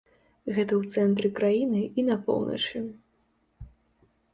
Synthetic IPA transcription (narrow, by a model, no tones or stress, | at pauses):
ɣɛt̪ɐwt̪sɛnt̪ɾɨkɾajinɨinɐpɔ̰wnɐ̰t͡ʂɨ